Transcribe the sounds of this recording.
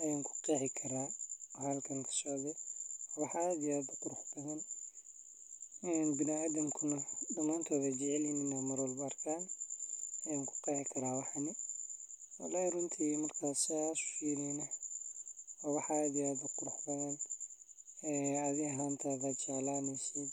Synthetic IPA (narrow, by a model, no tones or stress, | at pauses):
ʔɐjaːŋkʰʊ̥qɛːħɪkʰɐɾaːɔhɐlkʰɐŋkʰɐ̥sɔʕðɔɔwɑħaːd̪ɪaːd̪ʊqʊɾʊħb̥ɐðɐn | ɛːnbɪnɪaːðɐmkʰʊnɐdɐmaːnt̪ʰɔːðɐd͡ʒɛʕɛlɪnɪnaːmɐɾɔlbʊɐrkʰaːnː | ŋkʰʊ̥qɛːħɪkʰɐɾaːwɑħanɪ | wɐ̰laːhrʊnt̪ʰiːmɐrkʰaːsasʊ̥ʃiːɾɛnɐ | ɔːwɑħaːd̪ɪaːd̪ʊqʊɾʊħbɐðɐn | ɛːɐðɪɐɦaːnt̪ʰaːðaːd̪̚t͡ʃɛʕlaːnɛjsɛd